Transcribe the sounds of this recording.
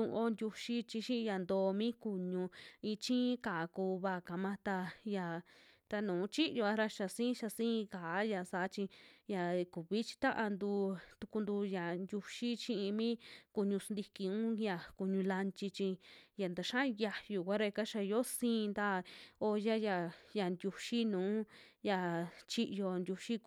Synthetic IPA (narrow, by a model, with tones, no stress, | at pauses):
ũ˧ʔo˧nd̪ʲu˧ʃi˦t͡ʃi˧ʃĩ˦˧ja˨nd̪oː˧mĩ˦ku˧ɲũ˧ĩ˧t͡ʃĩ˦kaː˨˦kuː˧βa˦˧˨ka˨mã˦t̪a˧ja˨ | t̪a˧nũː˨˦t͡ʃi˦ʔjo˧a˦ɾa˧ʃa˧sĩ˦ʃa˧sĩː˦˧kaː˨˦ja˨sa˨˦t͡ʃi˧ja˨ku˨βi˦t͡ʃi̥˧t̪ã˦ʔa˧nd̪uː˧t̪u̥˧ku˧nd̪u˧ja˨nd̪ʲu˧ʃi˦t͡ʃĩ˦˧ʔĩ˧mĩ˦ku˧ɲũ˧snd̪i˧ki˧ũ˦ja˨ku˧ɲũ˧la˧nt͡ʃi˧t͡ʃĩ˧ja˨nd̪a˧ʃã˦˧ja˧ju˨kʷa˦ɾa˧ka˦ʃa˧jo˦sĩː˦˧nd̪a˦˨o˧ja˦ja˨ja˨nd̪ʲu˧ʃi˦nũː˨˦ | ja˧t͡ʃi˦ʔjo˧nd̪ʲu˧ʃi˦